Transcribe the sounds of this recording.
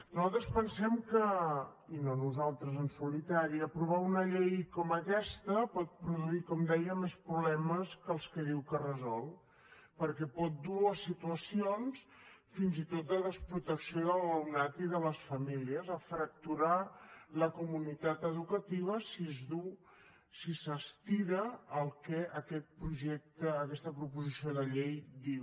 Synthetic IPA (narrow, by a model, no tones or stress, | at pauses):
nuzalˠt̪ɾəspənsɛmkəinonuzalˠt̪ɾəzənsulit̪aɾiəpɾuβaunəʎejkɔməkɛst̪əpɔt̪̚pɾuðuikɔmd̪ɛjəmespɾuβlɛməskəlˠskəðiwkərəzɔlˠ | pəɾkɛpɔt̪̚d̪uasit̪uəsions | finzit̪ot̪̚d̪ələspɾut̪əksioðəlˠəwnat̪iðələsfəmiliəzəfɾək̚t̪uɾaləkumunit̪at̪əðukət̪iβ̞əsizðu | sisəst̪iɾəːlˠkɛʔəkɛt̪̚pɾuʒɛk̚t̪əːkɛst̪əpɾupuzisioðəʎejd̪iw